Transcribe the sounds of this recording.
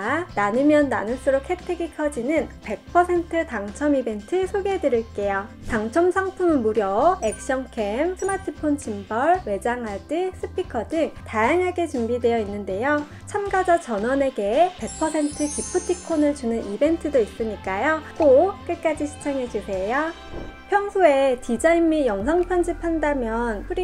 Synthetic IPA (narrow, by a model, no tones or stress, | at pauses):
nanɯmjʌnːanɯɭs͈ɯɾokʰetʰeɡikʰʌd͡ʑinɯnpe̞k̚pʰʌsʰe̞ntʰɯtaŋt͡ɕʰʌmibe̞ntʰɯsʰoɡe̞dɯɾiɭk͈e̞jo | taŋt͡ɕʰʌmsʰaŋpʰumɯnmuɾjʌek̚ɕ͈ʌŋkʰe̞msʰɯmatʰɯpʰont͡ɕimbʌɭwe̞d͡ʑaŋɦadɯs͈ʰɯpʰikʰʌdɯŋtajaŋɦaɡe̞t͡ɕumbidwe̞jʌinːɯnde̞jo | t͡ɕʰamɡad͡ʑʌt͡ɕʌnʌne̞ɡe̞pe̞k̚pʰʌsʰe̞ntʰɯkipʰɯtʰikʰonɯɭt͡ɕunɯnibe̞ntʰɯdois͈ɯɲik͈ajot͈ok͈ek͈ad͡ʑiɕʰi̥t͡ɕ͈ʰaŋɦe̞d͡ʑusʰe̞jo | pʰjʌŋsʰoe̞tid͡ʑaimːijʌŋsʰʌŋpʰjʌnd͡ʑipʰandamjʌnɸuɾ